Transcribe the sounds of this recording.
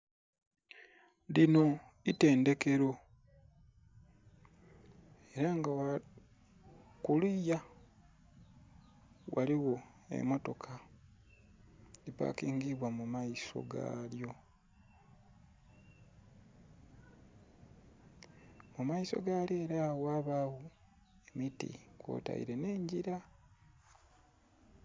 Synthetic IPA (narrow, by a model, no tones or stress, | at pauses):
lino̞ | ite̞ːnde̞ke̞ɾo̞ | e̞ɾaŋɡawa | kulija | waliwo̞ | e̞̰mo̞to̞kʰa | lipa̰kiːŋɡiβwamumaiso̞̰ɡa̰ljo̞ | mumaiso̞̰ɡaːljoeɾawaːβaːwo | e̞mitḭkwo̰ːta̰ḭɾe̞ne̞ːɲɟiɾa